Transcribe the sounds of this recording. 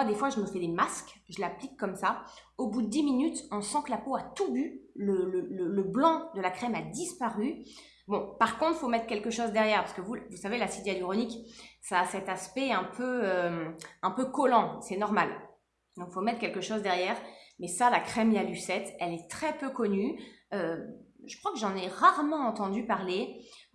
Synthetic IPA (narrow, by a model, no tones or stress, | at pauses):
ad̪efwaʒəməfɛd̪emaskʒəlaplikːɔmsaobud̪əd̪iminyt̪ɔ̃sɑ̃kəlapoat̪ubylələlələblɑ̃d̪əlakχɛmad̪ispaʁy | bɔ̃paʁkɔ̃t̪χfomɛt̪χkʲɛlkəʃozd̪ɛʁjɛʁpaʁsəkəvuvusavelasid̪jad̪iʁɔniksaːsɛt̪aspɛɛ̃pʰøømɛ̃pøkɔlɑ̃sɛnɔʁmal | d̪ɔ̃kfomɛt̪χkʲɛlkəʃozd̪ɛʁjɛːʁmɛsalakχɛmiaysɛt̪ɛlɛt̪χɛpøkɔnyøʒəkχwakəʒɑ̃nɛʁaʁmɑ̃ɑ̃t̪ɑ̃d̪ypaʁle